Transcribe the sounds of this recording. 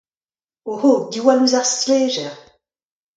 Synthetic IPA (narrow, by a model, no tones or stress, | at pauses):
ohod̪iwaluzaʁsleʒɛʁ